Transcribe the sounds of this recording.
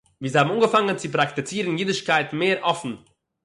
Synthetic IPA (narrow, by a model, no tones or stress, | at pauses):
viːzhaːbm̩unɡəfaŋənt͡sip̬ɾaktit͡siːɾən̩jidɪʃkaɪtmeːɾʔɔfn̩